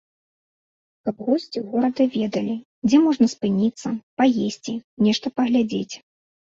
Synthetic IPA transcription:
kɐbɣɔsʲt͡sʲiɣɔɾɐd̪ɐvʲɛd̪ɐlʲi | d͡zʲɛmɔʐnɐspɨnʲit̪sːɐpajesʲt͡sʲinʲɛʂt̪ɐpɐɣlʲad͡zʲet͡sʲ

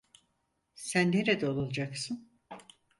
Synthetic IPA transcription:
sænːeɾed̪ɛolˠulˠd͡ʒaksɯn

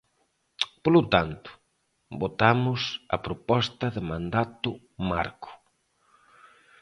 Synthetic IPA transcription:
polʊt̪ant̪ʊ̥ | bot̪amʊsɐ̰pɾopɔst̪ɐðɪmãnd̪at̪ʊ | ma̰ɾkʊ̥

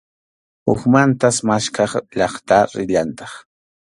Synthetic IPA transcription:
ʊ̰xmant̪asmaʃkɑχʎɑχt̪aɾɪʎant̪ɑχ

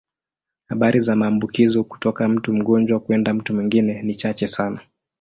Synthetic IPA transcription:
haɓaɾʔizamaːmbukizɔku̥tɔkam̩tum̩ɠɔnd͡ʒwakuɛndam̩tumiŋɡinɛnit͡ʃat͡ʃɛsana

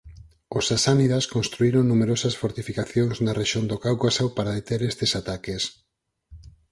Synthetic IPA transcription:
osasaniðaskõnst̪ɾuiɾoŋnumeɾosɐsfoɾt̪ifikaθjoŋznɐreʃond̪okawɣasawpaɾaðet̪eɾest̪esat̪akes

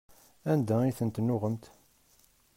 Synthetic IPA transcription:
ænd̪æiθənt̪nːʊʁəmt̪

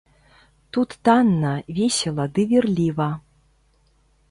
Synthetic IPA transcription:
t̪ut̪ːanːɐvʲesʲɛlˠɐd̪ɨvʲirlʲivɐ

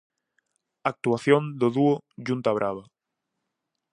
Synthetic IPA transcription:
ak̚t̪uaθjond̪oðuoʒunt̪aβɾʔaβ̞a

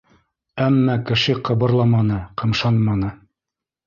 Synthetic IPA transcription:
æmːækɘ̆ʃɘqɤ̆βɤ̆ɾlˠɑmɑnɤqɤ̆mʃɑnmɑnɤ

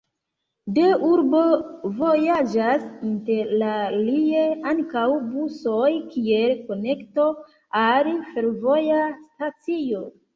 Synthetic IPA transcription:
deuɾbo̞vo̞jad͡ʒasinte̞ɾlalie̞aŋkawbusojkie̞lko̞ne̞kto | alife̞ɾvo̞jastat͡sio̞

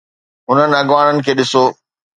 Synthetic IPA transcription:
ɦʊn̤ənɪ̆ɐɡʋaːɽ̃ənɪ̆kʰeːɗɪsoː

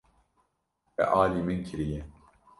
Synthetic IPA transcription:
ɛ̰ʔaːliːmɨnkʰɨɾijɛ

